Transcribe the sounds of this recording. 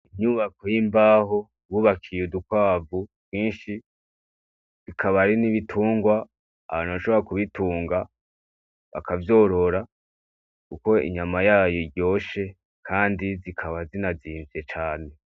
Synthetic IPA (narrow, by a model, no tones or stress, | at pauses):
iɲuβakojimbaːɦo̞ | βuːβakʰijodukwaːvub̥ɡiːnʃi | βikʰaβaɾiniβitʰuːŋɡwaː | βaːnuβaʃo̞βoɾakuβituːŋɡa | βa̰kavjo̞ːɾo̞ɾa | kuko̞ḭɲamajaːjoiɡjo̞ːʃe̞ | kʰaːndizikʰaβazinaziːɱvije̞t͡ʃaːne̞